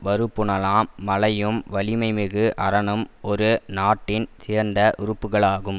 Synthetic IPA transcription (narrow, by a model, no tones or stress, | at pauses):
ʋɐɾɯpːɯɳɐlaːmːɐlɐjɯmʋɐlɪmɐɪmɪɣɯʔɐɾɐɳɯmɔɾɯnaːʈːɪnsɪːɾnd̪ɐʔʊɾɯpːɯɣɐɭaːɣɯm